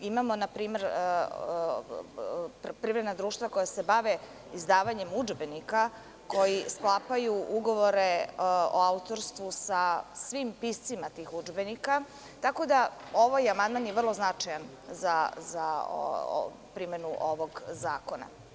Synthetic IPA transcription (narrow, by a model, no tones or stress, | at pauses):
imamo̞napɾiːme̞ɾ | pɾivɾed̪nad̪ɾuːʃt̪ʋako̞jase̞baʋe | izd̪aːʋaɲe̞mud͡ʒbe̞nika | ko̞jisklˠapajuʔuɡo̞ʋo̞ɾeo̰aut̪o̞ɾst̪ʋusasʋimpist̪simat̪iːxud͡ʒbenika | t̪ako̞d̪ao̞ʋajamand̪̚maːnjeʋr̩lˠo̞znat͡ʂajan | zaza̰ | pɾimenuʔoʋoɡzaːko̞na̰